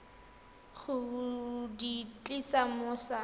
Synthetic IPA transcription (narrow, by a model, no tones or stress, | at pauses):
χʊ | dit͡ɬʼisamʊsa